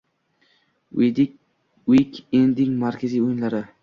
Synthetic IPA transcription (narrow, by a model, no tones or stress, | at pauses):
ikʲend̪ɪŋmaɾkʲʰazijojɪnlaɾɪ